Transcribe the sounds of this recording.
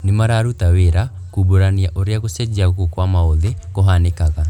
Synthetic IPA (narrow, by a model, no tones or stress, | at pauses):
nemaɾaːɾutaweɾa | kuboɾaniaʔoɾjaɣosɛd͡ʒiaɣokokwamaoðekoɦanekaɣa